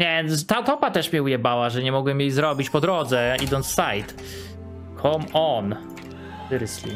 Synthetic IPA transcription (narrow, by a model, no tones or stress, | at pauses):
ɲɛt̪aut̪ɔpat̪ɛʂmʲɛujɛbawaʐɛɲɛmɔɡwɛmjejzɾɔbʲit͡ɕpɔd̪ɾɔd̪zɛid̪ɔnt̪ssajt̪ | kʰɔmɔn | ɨɾslʲḭ